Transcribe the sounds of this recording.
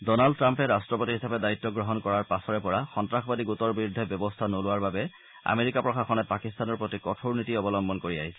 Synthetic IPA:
dɔnaldtːɹampɛɹastɹɔpotiɦisapɛdaitːɔɡɹɔɦɔnkɔɹaɹpasɔɹɛpɔɹaxɔntɹaxbadikɡutɔɹbiɹudʱːɛbjɔbɔstʰanolʊwaɹbabɛ | a̰meɹikapɹɔxaxɔnɛpakist̪anɔɹpɹotikɔtʰoɹnitiɔbɔlɔmbɔnkoɹia̰ɦisɛ

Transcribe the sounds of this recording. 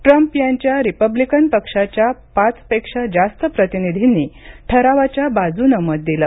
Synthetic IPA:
ʈɾəmpjaɲt͡ɕjaɾipəblikənpəkʂat͡ɕjapat͡spekʂad͡zast̪əpɾət̪inid̪ʱiniʈʰəɾaʋat͡ɕjabad͡zuːnəməd̪̚d̪iləː

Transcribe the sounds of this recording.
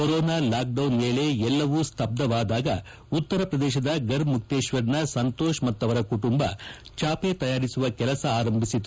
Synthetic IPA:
koɾɔːnaːlaːk̚ɖɐwnmeːleɛlːɐʋuːst̪ʰɐb̚d̪ɐʋaːd̪aːɡɐ | ut̪ːɐɾɐpɾɐd̪ɛːʃ̬ɐd̪ɐɡɐɾmuk̚t̪eːʃʋɐɾnɐsɐnt̪oːʃmɐt̪ːɐʋɐɾɐkuʈumbɐt͡ʃaːpe̞t̪ɐjaːɾisuʋɐkɛlɐsɐaːɾɐmbʱisid̪u

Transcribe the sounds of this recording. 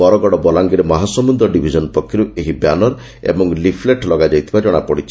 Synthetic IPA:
ɔɾɔɡɔɽɔbɔlaŋɡiɾemaɦasɔmund̪ɔɖibʱid͡ʒɔnpɔkʰːjɔɾueɦibjanɔɾ | ḛbɔŋlipʰleʈlɔɡad͡ʒajt̪ʰibad͡ʒɔɽ̃apɔɽit͡ʃʰi̥

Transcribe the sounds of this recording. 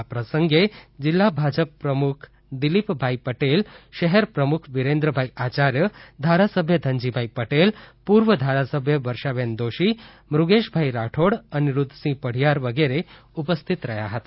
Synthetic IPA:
apɾəsəŋɡed͡ʑilːabʱad͡ʑəpːɾəmukʰ | d̪ilipbʱaipəʈelʃəɦɛɾpɾəmukʰʋiɾend̪ɾəbʱaiat͡ɕaɾjəd̪ʱaɾasəbʱjəd̪ʱəɲd͡ʑibʱaipəʈelpuɾʋəd̪ʱaɾasəbʱjəʋəɾʃaʋend̪oʃi | mɾuɡeʃbʱaiɾaʈʰoɽəniɾud̪ʱsĩpəɽ̤ijaɾʋəɡeɾe | upəst̪ʰit̪ɾəja̰ɦət̪a

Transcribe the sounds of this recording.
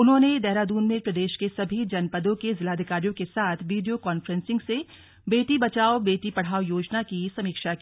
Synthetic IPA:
ʊnɦõːned̪ɛɦɾaːd̪uːnmẽpɾɐd̪eːʃkesɐbʱid͡ʒɐnpɐd̪õkezɪlaːd̪ʱɪkaːɾijõkesaːt̪ʰʋiːɖijokaːnfɾə̃nsɪ̃ŋɡse | beːt̪ibɐt͡ʃaːobeːt̪ipɐɽ̤aːʋjoːd͡ʒnakisɐmiːkʃakiː

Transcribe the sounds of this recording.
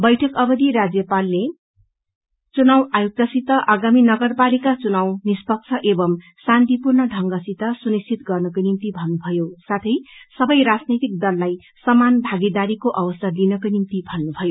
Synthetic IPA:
bʌjʈʰʌkʌbʌd̪iɾad͡zjʌpalːe | t͡sunawajuk̚t̪ʌsit̪ʌʔaɡaminʌɡʌrpalikat͡sunawnispʌk̚t͡sʰʌʔebʌm | sant̪ipurnʌɖʱʌŋɡʌsit̪ʌsunist͡sʰit̪ɡʌrnʌkojnimt̪ibʱʌnːubʱʌjosat̪ʰʌjsʌbʌjɾad͡znit̪ik̚d̪ʌlːaj | sʌmanbʱaɡid̪aɾikoʔʌbʌsʌlinʌkojnimt̪ibʱʌnːubʱʌjo

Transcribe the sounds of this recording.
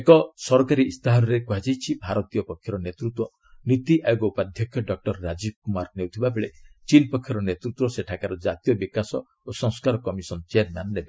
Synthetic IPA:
ekɔsɔɾkaɾiːst̪aɦaɾɔɾekuɦad͡ʒajt͡ʃʰibʱaɾɔt̪ijɔpɔkʰjɔɾɔnet̪ɾut̪wɔ | nit̪iʔʔajoɡɔupad̪ʱjɔkʰjɔɖɔk̚ʈɔɾːad͡ʒib̚kumaɾnewt̪ʰibabeɭet͡ʃinpɔkʰːjɔɾɔnet̪ɾut̪wɔseʈʰakaɾɔd͡ʒat̪ijɔbikasɔ | osɔŋskaɾɔkɔmisɔnt͡ʃeeɾmannebe

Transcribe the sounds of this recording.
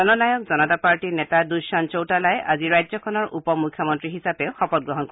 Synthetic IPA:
ɔnɔnajɔk̚zɔnɔtapaɹʈinetadujsant͡ʃowtalajʔa̰ziɹajzɔkʰɔnɔɹʔupɔmukʰjɔmɔntɹiɦisapeʊxɔpɔt̚ɡɹɔɦɔnkɔ

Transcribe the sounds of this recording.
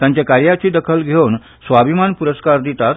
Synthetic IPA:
t̪jãɲt͡ɕjakaɾjat͡ɕiːd̪əkʰəlɡʱewn | sʋabʱimanpuɾəskaɾd̪it̪at̪

